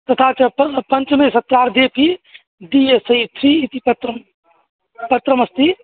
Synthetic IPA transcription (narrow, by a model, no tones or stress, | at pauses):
t̪ɐt̪ʰaːt͡ʃɐppɐnt͡ʃmesɐt̪ɾaːɾd̪eːpi | d̪iesɐit̪ʰɾiit̪ipɐt̪ɾəm | pɐt̪ɾəmɐst̪i